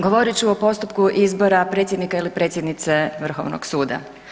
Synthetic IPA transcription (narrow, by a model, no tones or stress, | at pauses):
ɡoʋo̞ɾit͡ɕuopo̞st̪upkuʔizbo̞ɾapɾe̞t̪jed̪nikailipɾe̞ːt̪sjed̪nit̪se̞ʋr̩xo̞̰ʋno̰ɡsuːd̪a̰